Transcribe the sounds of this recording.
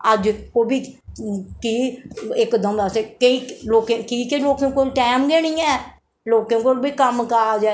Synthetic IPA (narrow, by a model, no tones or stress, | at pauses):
əd͡ʒkoːbʱiː | kiːɪkd̪əmd̪aseːkəiːloːkẽkiːkeloːkẽːkolʈɛːmɡeːniːɛː | loːkẽːkolbʱiːkəmkaaːd͡ʒaːe